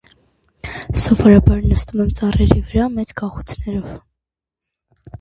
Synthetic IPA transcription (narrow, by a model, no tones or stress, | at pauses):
sɔvɔɾɑbɑɾnəst̪umɛmt͡sɑrɛɾivəɾɑmɛt͡skɑχut͡sʰnɛɾɔv